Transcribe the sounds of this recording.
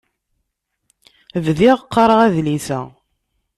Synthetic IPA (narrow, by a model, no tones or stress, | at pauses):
vðiʁəqʰːɑɾˤəʁæðliθæ̰